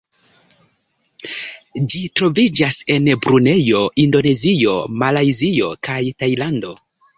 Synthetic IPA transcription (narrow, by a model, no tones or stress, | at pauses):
d͡ʒitɾo̞vid͡ʒase̞nbɾune̞jo̞ʔindo̞ne̞zio̞malajzio̞kajtajlando̞